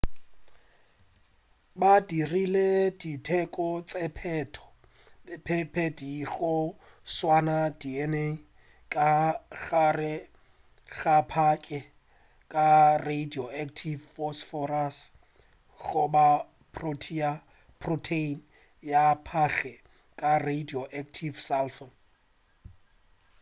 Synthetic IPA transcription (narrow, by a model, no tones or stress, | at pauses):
badirileditʰɛkʼɔt͡sʼɛpʰɛtʰɔ̥ | pʰɛpʰɛdiɣʊ | swanadiɛne | kʼaɣarɪ | ɣapʰakʼɛ | kʼaredioʔaktʰivfɔsfɔras | ɣʊba | pʰrotʰia | pʰrɔtʰein | japʰaɣɛ | kʼaredioʔaktʰivsalfon